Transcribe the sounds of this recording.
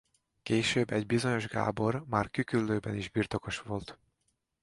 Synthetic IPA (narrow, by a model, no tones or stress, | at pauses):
keːʃøːbɛɟbizo̞ɲo̞ʒɡa̰ːbo̞rmaːrkykylːøːbɛniʒbiːrt̪o̞ko̞ʃʋo̞lt̪